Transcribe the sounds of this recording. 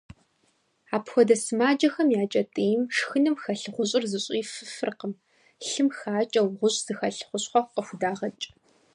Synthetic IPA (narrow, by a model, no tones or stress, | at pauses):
aːpʰxʷɔdɐsɨmaːd͡ʒɐxɐmjaːt͡ʃʼɐtʼiːjmʂxɨnɨmxɐɬɨχʷʊɕʼɪrzɨɕʷʼiːfɨfɨrqəm | ɬɨmxaːt͡ʃʼɐwʁʷʊɕʼz̥ɨxɐɬχʷʊɕχʷɔqəxʷdaːʁɐt͡ʃʼ